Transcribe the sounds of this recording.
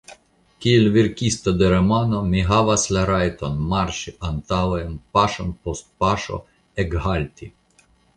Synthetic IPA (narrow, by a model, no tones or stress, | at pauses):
kielviɾkʲist̪ɐd̪eɾemanomiɦaʋaslaɾajt̪onmaɾʃiʔant̪awenpaʃonpost̪̚paʃo̰ | ɛɡɦalʲt̪i